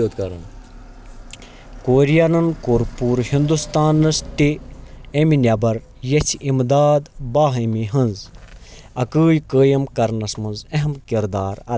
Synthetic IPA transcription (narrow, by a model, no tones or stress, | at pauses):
oːd̪kɐɾɐn | koːɾijanɐnkoɾpuːɾhind̪ust̪aːnːɐst̪ieminʲɐbɐɾ | jɐt͡sʰimd̪aːd̪baːɦɐmiɦɐnz | ɐkəːjkəːjɐmkɐɾnɐsmɐnzɐɦɐmkiɾd̪aːɾɐ